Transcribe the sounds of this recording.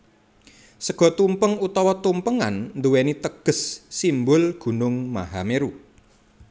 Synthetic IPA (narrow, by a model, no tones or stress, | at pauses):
səɡ̥ɔ̤t̪umpəŋut̪ɔwɔt̪umpəŋa̰nnd̪uwenit̪əɡ̥ə̤sːimbʊlɡ̥ṳnʊŋma̰ɦameɾu